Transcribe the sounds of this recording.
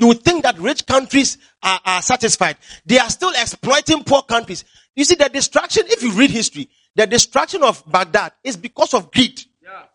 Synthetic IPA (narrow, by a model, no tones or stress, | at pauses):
juwud̚θɪ̃ŋk̚ðatɹɪt͡ʃkãntɹiz | aʔasatɪsfaɪd̚ðeastilˠɛksplɔɪtɪ̃ŋpʰukãntɹis | jusiðədɪstɹ̥akʃɔ̃nɪfjuɹid̚histɹi | ðədɪstɹ̥akʃɔ̃nɔvbaɡ̚dadɪsbikɔsɔvɡɹid